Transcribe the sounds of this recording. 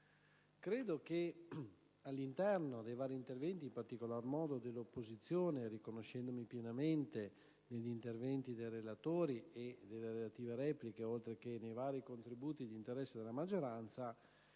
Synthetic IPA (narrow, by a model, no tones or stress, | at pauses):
kɾeːd̪ok̟e | alːint̪ɛrnod̪ejvaːɾiːnt̪ervɛnt̪iːmpart̪ikolarmɔːd̪od̪elːopːozit̪sːjoːnerikonoʃɛnd̪omipjenament̪e | neʎːint̪ervɛnt̪id̪ejrelat̪oːɾied̪elːeɾelat̪iːveɾɛːplikeolt̪ɾekenejvaːɾikont̪ɾibuːt̪id̪int̪eɾɛsːed̪elːamad͡ʒːoɾant̪sa